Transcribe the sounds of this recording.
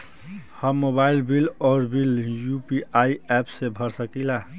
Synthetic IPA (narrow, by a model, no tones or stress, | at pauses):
həmːobailbilɔːɾbiljupiaiɛpsebʱəɾsəkila